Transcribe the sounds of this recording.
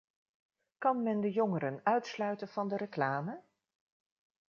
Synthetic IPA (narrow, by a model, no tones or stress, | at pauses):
kɑnmɛndəjoŋəɾənœɥtslœɥtənv̥ɑndəɾəklaːmə